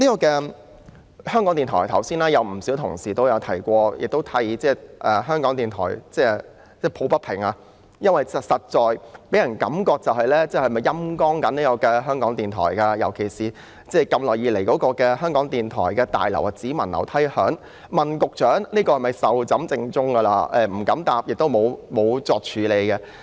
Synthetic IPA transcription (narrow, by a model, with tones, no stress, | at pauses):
niː˥kɔː˧kɛː˧ | hœː˥ŋkɔː˨˥ŋt̪iː˨nt̪ʰɔː˨˩jt̪ʰɐ˨˩wsiː˥nlaː˥jɐ˨˧wm̩˨˩si˨˥wt̪ʰʊ˨˩ŋsiː˨˩t̪o˥wjɐ˨˧wt̪ʰɐ̰˨˩jkʷɔː˧jɪ̰˨k̚t̪o˥wt̪ʰɐ˧jt͡sɛː˥ʔɛː˨˩ɦœː˥ŋkɔː˨˥ŋt̪iː˨˩nt̪ʰɔ̰ː˨˩jt͡sɛː˥˩ | t͡sɛː˥˩pʰo˨˥wpɐ˥t̚pʰɪ̰˨˩ŋaː˧ | jɐ˥nwɐ˨jsɐ˨sɐ˨t̚t͡sɔː˨jpe˨˥jɐ˨˩nkɐ˨˥mkɔː˧k̚t͡sɐ˨whɐ˨jlɛː˥t͡sɛː˥hɐ˨˩mɐ˨jːɐ˥mkɔː˥ŋkɐ˨˥niː˥kɔː˧kɛː˧ɦœː˥ŋkɔː˨˥ŋt̪iː˨˩nt̪ʰɔ̰ː˨˩jkaː˧jɐ˨˩wkʰe˨˩jsiː˨ | t͡sɛː˥˩kɐ˧mlɔː˨jiː˧le˨˩jkɔː˨˥kɔː˧kɛː˧ɦœː˥ŋkɔː˨˥ŋt̪iː˨nt̪ʰɔ̰ː˨˩jkɛː˧t̪a̰ː˨jlɐ̰˨˩wa˧t͡siː˨˥mɐ˨˩nlɐ̰˨˩wt̪ʰɐ˥jhœ̰ː˨˥ŋ | mɐ˨nkʊ˨k̚t͡ʃœː˨˥ŋniː˥kɔː˧hɐ˨jmɐ˨jsɐ˨wt͡sɐ˨˥mt͡sɪ˧ŋt͡sʊ˥ŋkɐ˧laː˧ɛː˨˧m̩˨˩kɐ˨˥mt̪aː˨p̚jɪ˨k̚t̪o˥wmo˨˧wmo˨˧wt͡sɔː˧k̚t͡ʃʰyː˨˧le˨˧jkɛ˧